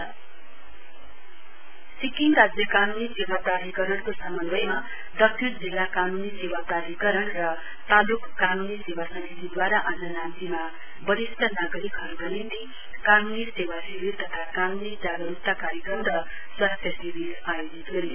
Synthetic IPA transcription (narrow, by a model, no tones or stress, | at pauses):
sikiŋrad͡zjʌkanunisewapraɾikʌɾʌnkosamʌnbʌjma | d̪ʌk̚t͡ʃʰiɾd͡zilːakanunisewapraɾikʌɾʌɳrʌ | t̪alukːanunisewasʌmit̪id̪waɾaʔad͡zʌnant̪ima | bʌɾist̪ʰʌnaɡʌɾikɦʌɾɡʌnint̪i | kanunisewasibiɾt̪ʌt̪ʰakanunid͡zaɡʌɾupt̪ːakaɾjʌkɾʌnrʌ | swast̪ʰjʌsiɾiɾajod͡zit̪ɦoɾi